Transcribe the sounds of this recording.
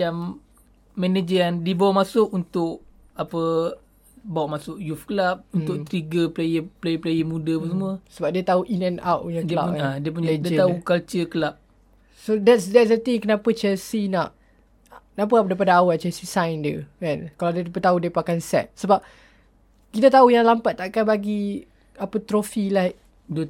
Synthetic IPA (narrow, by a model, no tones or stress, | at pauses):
amː | ɛned͡ʒəandibawamasʊʔunt̪ʊʔ | apə | bawaʔmasʊʔjufkəlap̚unt̪ʊkt̪ɾiɡəplejəplejəplejəmudəapəsəmuəsəbap̚diət̪auʔinɛ̃na̰wʔ̚puɲəkila̰p̚adiəp̬uɲadiət̪aukalt͡ʃəkəlap̚ | sodɛtsdɛt̚s̬dət̪ɪ̃ŋkənãpət͡ʃɛlsinaʔ | nap̬əap̚daip̬adaawat͡ʃɛsisãjndiə̰ɛ̃nkaladət̪ipət̪audiəpakansɛ̰t̪̚səbap̚ | kit̪at̪aujaŋlampat̪̚t̪aʔkanbaɡi | apət̪ɾofilaiʔ | də